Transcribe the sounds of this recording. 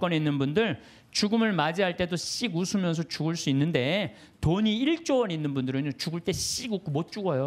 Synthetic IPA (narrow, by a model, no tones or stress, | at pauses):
k͈ʌneinːɯnbundɯɭ | t͡ɕuɡɯmɯɭmad͡ʑiɦaɭt͈e̞doɕ͈iɡusʰumjʌnsʰʌt͡ɕuɡɯɭs͈uinːɯnde̞ | toɲiiɭt͡ɕ͈owʌninːɯnbundɯɾɯɲot͡ɕuɡɯɭt͈e̞ɕ͈iɡuk͈ʰumot̚t͡ɕ͈uɡʌjo